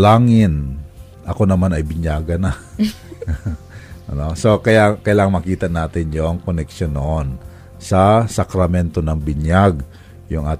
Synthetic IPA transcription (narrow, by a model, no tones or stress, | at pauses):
laːŋɪn | ʔɐko̞nɐmanɐjbɪɲjaːɡɐna | ʔɐnoso̞kɐjakɐjlaːŋɐŋmɐkiːt̪ɐnaːt̪ɪnjoŋkonɛkʃonːoʔon | sɐsɐkɾɐmɛnt̪onɐŋbɪɲjaɡ | jʊŋʔaːt̪